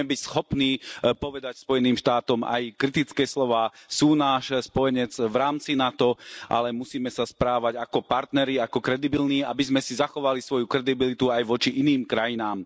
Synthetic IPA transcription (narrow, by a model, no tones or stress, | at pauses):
ɛbicsxɔpniːpɔʋɛd̪acspɔjɛniːmʃt̪aːt̪ɔma̰jkɾit̪it͡skɛːslɔʋaːsuːnaːʃspɔjɛɲɛd͡zʋɾaːmt͡sinat̪ɔʔa̰lɛmusiːmɛsaspɾaːʋaɟakɔpaɾt̪nɛɾiakɔkɾɛd̪ibilniːabizmɛsizaxɔʋalisʋɔjukɾɛd̪ibilit̪uajʋɔt͡ʃiʔiniːmkɾajinaːm